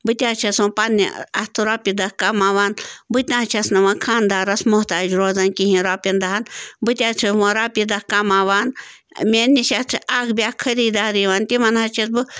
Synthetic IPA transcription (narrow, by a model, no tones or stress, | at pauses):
bɨt̪ʲaːt͡ʃʰɐsɐ̃pɐnːḭɐst̪ʰɨɾaːpid̪ɐkɐmaːʋaːnbɨt̪ʲnãɐt͡ʃʰɐsnɐʋakʰaːnd̪aːɾɐsmʊht̪aːd͡ʒɾoːzɐnkiɦĩɾaːpʲind̪ɐɦɐnbɨt̪ʲaːt͡ʃʰɐsmãɾaːpid̪ɐhkɐmaʋaːn | mʲenːiʃɐt͡sʰɨʔaːkbʲaːkʰɐɾiːd̪aːɾiʋaːnt̪imɐnhɐt͡ʃʰɐsbɨ